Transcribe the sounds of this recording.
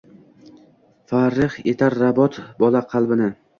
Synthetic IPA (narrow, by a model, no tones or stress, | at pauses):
faɾːɪχet̪ʰaɾːabɒt̪bɒlaqʰɑlˠbɪnɪ